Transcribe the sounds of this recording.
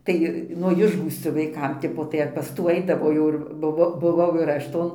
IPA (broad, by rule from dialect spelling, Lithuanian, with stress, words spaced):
ˈtɐɪ nuɔ ˈɪʒɡuːsʲt͡sʲoː ʋɐɪˈkɐm ˈtʲɪpoː tɐɪ ɐr pɐs ˈtuː ˈɐɪdɐʋoː jɛʊ ˈɪr bʊˈʋoː bʊˈʋɐʊ ɪr ˈɐʃ ˈtoːn